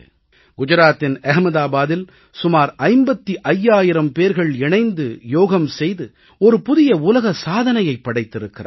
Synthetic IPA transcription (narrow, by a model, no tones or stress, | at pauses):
ɡ̥ʊd͡ʒɐɾaːt̪ːɪnɐɦmɐðaːbaːðɪl | sʊmaːɾɐɪmbɐt̪ːiʔɐjːaːjɪɾɐmpeːɾɣɐɭɛɳɐɪnd̪ɯjoːɣɐmsɛjðɯ | ɔɾɯpʊðɪjɐʊlɐɣɐsaːðɐnɐjɐɪpːɐɽɐɪt̪ːɪɾɯkːɪɾa̰ː